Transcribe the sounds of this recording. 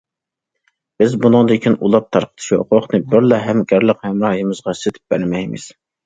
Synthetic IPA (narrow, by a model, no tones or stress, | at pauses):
b̥ɪzbunɨŋd̪ɪkʲʰinṵlˠɑp̚t̪ʰɑɾqʰət̪ʰɨ̥ʃioqoχnɨbɪɾlɛɦɛmɡʲæɾləqhɛmɾɑhjimɨzʁɑset̪ʰɪ̥p̚b̥æ̰ɾmɛjmɪ̰z̥